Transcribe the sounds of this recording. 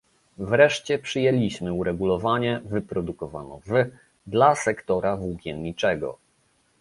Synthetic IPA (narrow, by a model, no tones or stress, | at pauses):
vɾɛʂt͡ɕɛpʂɘjɛlʲiɕmɘuɾɛɡulɔvaɲɛvɘpɾɔd̪ukɔva̰nɔ̰vɘ | d̪lasɛkt̪ɔɾavuɡʲjɛnɲit͡ʂɛɡɔ̰